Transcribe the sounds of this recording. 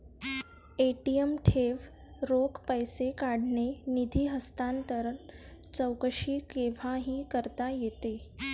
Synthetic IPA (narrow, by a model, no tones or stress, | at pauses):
eʈiəmʈʰeʋ | ɾokpəjsekaɽnenid̪ʱiːɦəst̪ant̪əɾət͡səwkəɕiːkeʋ̤aɦiːkəɾt̪ajet̪e